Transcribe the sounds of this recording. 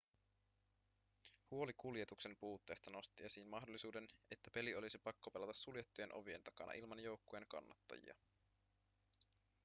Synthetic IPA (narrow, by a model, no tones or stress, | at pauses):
huo̞likulje̞t̪ukse̞mpuːt̪ːe̞jst̪ɑno̞st̪iesiːnmɑɦdolːisuːde̞ne̞t̪ːæpe̞lio̞lisipɑkːopelɑt̪ɑsːuljet̪ːuje̞nʔo̞̰ʋije̞nt̪ɑkɑ̰nɑ̰ʔilmɑnjo̞wkːoje̞ŋkɑ̰nːɑ̰t̪ːɑ̰jḭɑ̰